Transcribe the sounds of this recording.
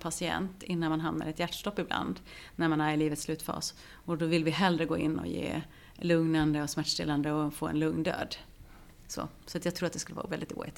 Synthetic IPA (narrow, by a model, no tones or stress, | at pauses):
pʰasɪɛ̰nt̪ɪnːanmanɦamna̰ɾɛt̪jæʈʂʈ̪ɔpːɪbla̰nd̪ | næɾmanæɾɪliːvət̪slʉ̟ːt̪fɑ̰ːs | ɔd̪ɔvɪlvɪɦɛlɾəɡoːɪnːɔ̰jḛː | lɵŋnand̪əɔsmæʈːʂʈ̪ɪland̪əɔfo̰ːɛ̰nlɵŋnd̪ø̰ːd̪ | so̰ | sɔat̪jɑɡt̪ʰɾuːɾat̪d̪ɛskɵlːə̰vɑ̰ːvɛld̪ɪt̪ṵːɪ̰t̪